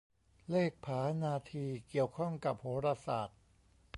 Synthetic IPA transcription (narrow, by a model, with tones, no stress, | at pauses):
leː˥˩k̚pʰaː˩˦naː˧t̪ʰiː˧ki˨˩əwkʰɔ˥˩ŋka˨˩p̚hoː˩˦˥ɾa˧saː˨˩t̪̚